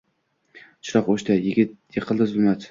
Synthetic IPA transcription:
t͡ʃʰʊɾɑqoʃt̪ajɪɡʲɪt̪jɪqʰɨlˠd̪ɪzbmat̪

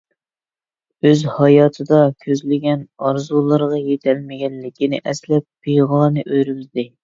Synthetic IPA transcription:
øzhɑjɑːt̪ʰɨd̪ɑkʲʰøzlɪɡʲɛnɑɾzulˠɨɾʁɑjet̪ʰɛlmɪɡʲɛlːɪkʲinɪ̰ʔɛslɛp̚b̥ijʁɑːnɨʔøjɾyzd̪ɪ

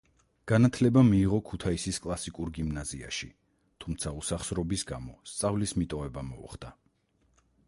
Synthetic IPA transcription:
ɡ̥anat̪ʰlɛbamiːʁɔkʰut̪ʰaisiskʼlˠasikʼuɾɡimnazia̰ʃi | t̪ʰumt̪sʰausaχsɾɔbisɡamɔst̪sʼavlismit̪ʼɔvɛbamɔṵχd̪a

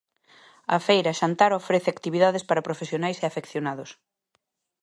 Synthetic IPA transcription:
ɐfejɾɐʃant̪aɾofɾeθeakt̪iβiðaðespaɾɐpɾofesjonajseafekθjonaðos

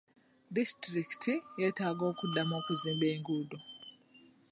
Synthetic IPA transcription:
distɾiktʰijɛtaɡoːkudːamoːkuziːmbeːŋɡudɔ

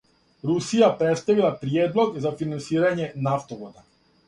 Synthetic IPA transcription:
ɾusijapɾet̪st̪aʋilˠapɾieːd̪lˠo̞ɡzafinansiːɾaɲenaft̪oʋod̪a

